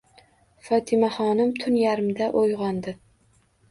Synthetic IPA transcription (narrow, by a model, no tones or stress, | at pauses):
fɒt̪ʰɪmaχɒnɪmt̪ʰʊnjaɾɪmd̪aʔojʁɒnd̪ɪ